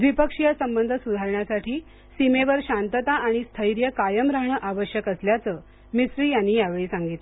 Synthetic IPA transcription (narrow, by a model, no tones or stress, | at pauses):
ʋipəkʂijasəmbənd̪ʱəsud̪ʱaɾɳjasaʈʰiː | simeʋəɾɕant̪ət̪aʔaɽ̃ist̪ʰəjɾjəkajəmɾaɦɳəʔaʋəɕjəkəsljat͡səː | misɾiːjanːiːjaʋeɭiːsaŋɡit̪le